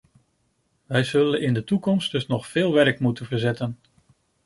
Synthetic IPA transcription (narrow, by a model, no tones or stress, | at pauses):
ʋɛjzɵlənɪndətukɔmsdɵsnɔχfɪːlˠʋɛɹkmutənvəɹzɛtən